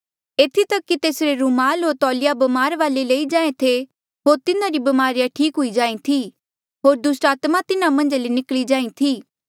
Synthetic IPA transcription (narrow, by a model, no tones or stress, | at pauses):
eːt̪ʰit̪ɐkːit̪eːsɾeɾumaːlɦoːɾt̪ɔːlɪjabɐmaːɾʋaːleleːid͡ʒãːẽt̪ʰe | ɦoːɾt̪ɪnãɾibɐmaːɾɪjaʈʰiːkɦʊid͡ʒãːĩt̪ʰi | ɦoːɾd̪ʊsʈaːt̪mat̪ɪnamɐ̃nd͡ʒlenɪklid͡ʒaːĩt̪ʰiː